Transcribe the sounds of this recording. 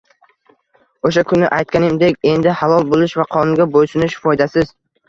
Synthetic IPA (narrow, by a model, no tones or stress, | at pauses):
oʃ̬akʰʊnːɪʔajt̪̚kʲanɪmd̪ekʲe̞nd̪ɪhalˠɒlˠbolˠɪʃvaqʰɒnɪɡʲabojsʊnɪʃfɒjd̪asɪz̥